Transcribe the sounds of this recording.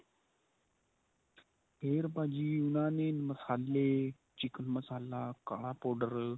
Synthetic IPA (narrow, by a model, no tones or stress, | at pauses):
peːɾpaːd͡ʒiːunaːneːnməsaːlːe | t͡ʃikənməsaːlaːka̰ːɽaːpoːɖəɾ